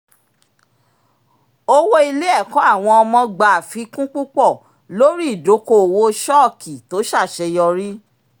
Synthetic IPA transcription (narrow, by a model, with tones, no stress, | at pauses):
o˦wo˦i˧le˦ɛ˦˨kɔ̃˨˦a˦˨w̃ɔ̃˧ɔ˧mɔ̃˧ɡ͡ba˨fi˨˦kũ˦k͡pũ˦k͡pɔ˦˨ | lo˦ɾi˦i˦˨do˨˦ko˦˨wo˧ʃɔ˦˨kʰi˨to˨˦ʃa˦˨ʃɛ˧jɔ˧ɾi˦